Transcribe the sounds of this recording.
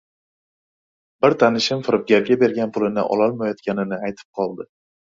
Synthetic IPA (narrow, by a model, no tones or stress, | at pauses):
bɪɾt̪ʰanɪʃɪmfɪɾɪp̚ɡʲaɾɡʲabe̞ɾɡʲanpʰʊlɪnɪ̰ʔɒ̰lɒlˠmajɒt̪kʲanɪnɪajt̪ʰɪ̥p̚qʰɒlˠd̪ɪ